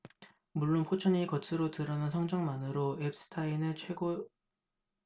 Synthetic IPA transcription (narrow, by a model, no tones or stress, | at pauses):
muɭːonpʰot͡ɕʰʌɲikʌtʰɯɾotɯɾʌnansʰʌŋd͡ʑʌŋmanɯɾoep̚s͈ɯ̥tʰainɯɭt͡ɕʰweɡo